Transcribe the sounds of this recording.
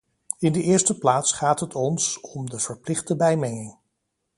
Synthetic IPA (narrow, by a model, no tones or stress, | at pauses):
ɪndəʔɪːɹstəplaːtsχaːtɦətʰɔnsɔmdəv̥əɹplɪχtəbɛjmɛŋɪŋ